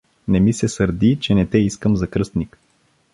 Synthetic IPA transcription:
nɛmisɛsəɾd̪it͡ʃɛnɛt̪ɛiskəmzɐkɾɤst̪nik

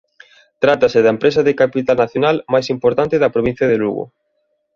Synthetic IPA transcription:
t̪ɾat̪ɐsɪðɐempɾesɐðekapit̪alnaθjonalmajsimpoɾt̪ant̪ɪðɐpɾoβ̞ĩn̟θjɐðelṵɣo̰

